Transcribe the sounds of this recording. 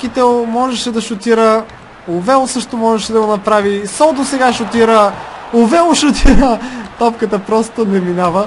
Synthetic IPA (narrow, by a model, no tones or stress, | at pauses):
kit̪ɛlˠmɔʒɛʃɛd̪ɐʃot̪iɾə | ʊvɛlˠsɤʃt̪omɔʒɛʃɛd̪ɐɡonɐpɾavisɔd̪osɛɡaʃot̪iɾəʊvɛlˠʃot̪ʰiɾət̪ɔpkət̪əpɾɔst̪onɛminavə